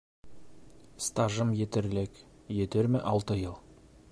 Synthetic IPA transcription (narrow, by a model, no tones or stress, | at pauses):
st̪ɑʒəmjet̪eɾlekjet̪eɾmeʔɑlˠt̪əjəlˠ